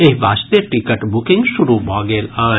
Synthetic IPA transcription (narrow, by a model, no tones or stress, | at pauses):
eɦʋaːst̪eʈikəʈbʊkɪ̃ŋɡʃuɾubɔːɡeːlaː